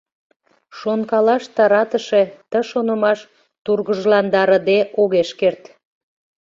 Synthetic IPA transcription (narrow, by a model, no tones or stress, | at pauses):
ʃonkɑlɑʃt̪ɑɾɑt̪əʃet̪əʃonə̆mɑʃ | t̪urɣəʒlɑnd̪ɑɾə̆d̪eʔoɣeʃkert̪